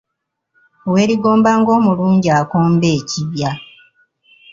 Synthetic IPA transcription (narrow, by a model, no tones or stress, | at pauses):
we̞ːɾiɡo̞ːmbaːŋɡo̞ːmuluːɲɟiaːko̞ːmbe̞ːciβja